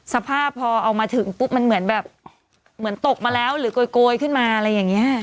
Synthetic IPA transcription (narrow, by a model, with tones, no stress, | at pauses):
sa˧pʰaː˥˩pʰːɔː˧ʔa˧wmaː˧t̪ʰɯ˩˦ŋpu˦˥p̚ma˧nmɯ˩˦ənbɛː˨˩p̚ | mɯ˩˦ənt̪o˨˩k̚maː˧lɛː˦˥wɾɯː˩˦koː˧jkoː˧jkʰɯ˥˩nmaː˧ʔa˧ɾa˧jːaː˨˩ŋːi˦˥ɐ